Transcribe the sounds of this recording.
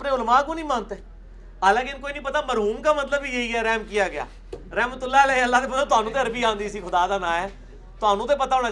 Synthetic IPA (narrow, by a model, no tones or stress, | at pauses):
pnẽːʊlmaːk̬õːnĩːmãːnt̪eː | əlãːkɪnkoːiːnĩːpət̪aːməɾɦuːmkaːmət̪ləbiːjeiːɛːɾɛːmkijaːɡɪja̰ː | ɾɛːmət̪ʊlːaːlɛːəlːaːt̪eːpəãːt̪ʊɦaːnũːt̪eːəɾbiːãːnd̪iːəsiːkʰʊd̪aːd̪aːnãːɛː | t̪ʊaːnũːt̪̬eːpət̪aːʊːɽ̃aː